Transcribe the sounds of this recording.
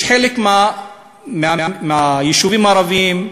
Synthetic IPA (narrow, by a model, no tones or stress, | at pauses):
ħeːlekma | mɪaamajɪʃuviːmɑɾˤɑviːm